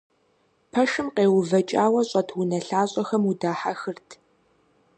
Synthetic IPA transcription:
pʰɐʂɨmqeːwʊvɐt͡ʃʼaːwɐɕʼɐtʰwʊnɐɬaːɕʼɐxɐmudaːħaxɨrtʰ

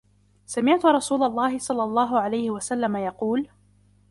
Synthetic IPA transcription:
samɪʕt̪ʊɾˤɑsuːlalˤːɑːhɪsˤɑlːɑlˤːɑːɦʊʕalajhɪwasalːamajɑquːl

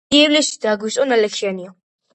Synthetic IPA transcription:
iɛvlɛsid̪aɡwisʼɔnalɛkʰianiɔ

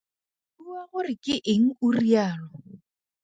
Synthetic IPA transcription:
uaɣʊrɪkʼɪʔɪŋ̩ʊriaːlɔ

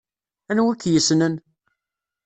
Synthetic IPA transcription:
ænwækːjəsnən

